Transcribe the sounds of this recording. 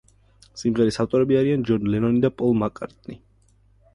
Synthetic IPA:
simʁɛɾisaft̪ʼɔɾɛbiaɾiand͡ʒɔnlɛnɔnid̪apʼɔlˠmakʼaɾt̪ʼni

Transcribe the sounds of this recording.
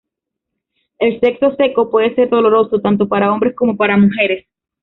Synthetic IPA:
e̞lse̞kso̞se̞ko̞pwe̞ðe̞se̞ɾðo̞lo̞ɾo̞sot̪ant̪̬o̞paɾao̞mbɾe̞sko̞mo̞paɾamuxe̞ɾe̞s

